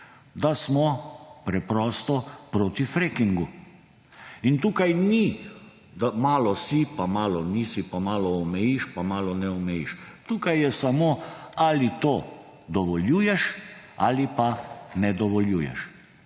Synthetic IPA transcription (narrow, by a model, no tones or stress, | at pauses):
d̪asmɔpɾɛpɾɔːst̪ɔpɾoːt̪ifɾeːkiŋɡu | int̪uːkajni | d̪amaːlɔsipamaːlɔnisipamaːlɔːmɛjiʃpamaːlɔnɛɔmɛjḭʃt̪uːkajːɛsamoalit̪oː | d̪ɔʋɔljuːjɛʃa̰lipanɛd̪ɔʋɔljuːjɛ̰ʃ